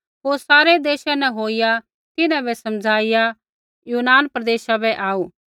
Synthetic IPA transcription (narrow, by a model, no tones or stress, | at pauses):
ɦoːɾsaːɾed̪eːʃãnɛɦoːɪja | t̪ɪnãbɛsɐmd͡zʱaːɪja | juːnaːnpɾɐd̪eːʃabɛʔaːuː